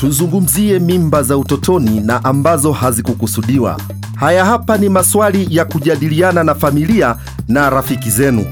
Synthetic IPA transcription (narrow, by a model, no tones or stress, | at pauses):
tuzuŋɡum̩ziɛmimbazautɔtʰɔninaʔambazɔhazikukusuɗiwa̰ | hajahapanimaswalijakuʄaɗiliananafamilia | naɾafikizɛnṵ